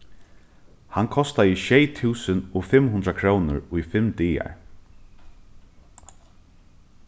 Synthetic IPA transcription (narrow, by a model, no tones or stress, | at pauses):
hankʰɔst̪aiʃɛjt̪ʰuːsənɔfɪmːɦunɾakʰɾoːnʊ̰ɹujfɪmt̪iːa̰ɹ